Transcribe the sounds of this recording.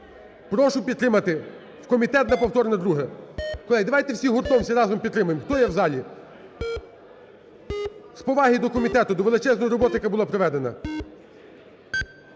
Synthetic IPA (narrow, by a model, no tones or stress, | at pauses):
pɾɔʃʊpʲid̪t̪ɾɪmɐt̪ɪ | wkɔmʲit̪ɛt̪̚nɐpɔwt̪ɔɾnɐd̪ɾuɦɛkɔlˠɛjd̪ɐʋɑjt̪ɛwsʲiɦʊɾt̪ɔmsʲɐɾɑzɔmpʲid̪t̪ːɾɪmʊjemxt̪ɔjɛwzɑlʲi | spɔʋɑɦid̪ɔkɔmʲit̪ɛt̪ʊd̪ɔʋelˠɪt͡ʃɛznɔjɾɔbɔt̪ɪjkɐbʊlˠapɾɔʋɛd̪enɐ̰